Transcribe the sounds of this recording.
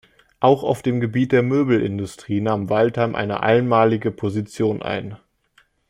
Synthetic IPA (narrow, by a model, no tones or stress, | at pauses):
ʔaʊxaʊfd̥eːmɡəbiːt̚d̥eːɐmøːbl̩ʔɪndʊstʁ̥iːnaːmvaltʰamʔa̰ɪnə̰ʔa̰ɪnmaːlɪɡəpʰozit͡sjoːnʔa̰ɪn